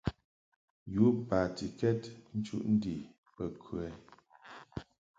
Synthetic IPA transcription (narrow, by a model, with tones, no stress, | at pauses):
ju˨˦pa˨ti˨kɛ˦tn̩˦t͡ʃṵ˦ʔn̩˦di˨ | pə˨kʰʉ˨ɛ˨˦